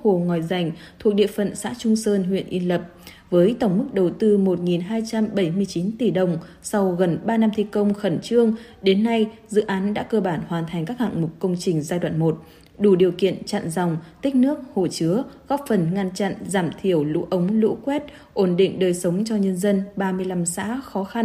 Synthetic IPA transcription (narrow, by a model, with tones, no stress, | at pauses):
ho˨˩ŋɔ˨˩jza˨˩jŋ̟t̪ʰu˨˩ək̚ɗḭ˧˨əfə̰˧˨nsa̰ː˧˥t͡ɕʊ˧ŋ͡msəː˧nɦwḭ˧˨ənʔi˧nlə˨˩p̚ | vəː˨˦jt̪ə˧˩wŋ͡mmɨ˦˥k̚ɗə˨˩wt̪ɨ˧mo˨˩t̚ŋi˨˩nɦaː˧jt͡ɕa˧mɓə˧˩jmɨ˧əjt͡ɕi˨˦nt̪i˧˩ɗə˨˩wŋ͡m | sa˧wɣə˨˩nɓaː˧na˧mt̪ʰi˧kə˧wŋ͡mxə˧˩nt͡ɕɨ˧əŋ | ɗe˨˦nːa˧jzɨ̰˧˥ʔaː˨˦nɗa̰ː˧˥kəː˧ɓaː˧˩nhwaː˨˩nt̪ʰa˨˩jŋ̟kaː˦˥k̚ha̰ː˧˨ŋmʊ˨˩k͡p̚kə˧wŋ͡mt͡ɕï˨˩ŋ̟zaː˧jɗwa̰ː˧˨nmo˨˩t̚ | ɗu˧˩ɗi˨˩əwkḭ˧˨ənt͡ɕa̰˧˨nza˨˩wŋ͡mt̪ï˦˥k̟̚nɨ˦˥ək̚ho˧˩t͡ɕɨ˨˦əɣɔ˦˥p̚fə˨˩nŋa˧nt͡ɕa̰˧˨nzaː˧˩mt̪ʰi˧˩əwlṵ˧˥ʔə˨˦wŋ͡mlṵ˧˥kwɛ˦˥t̚ | ʔo˧˩nɗḭ˧˨ŋ̟ɗəː˨˩jsə˨˦wŋ͡mt͡ɕɔ˧ɲə˧nzə˧nɓaː˧mɨ˧əjla˧msa̰ː˧˥xɔ˨˦xa˧n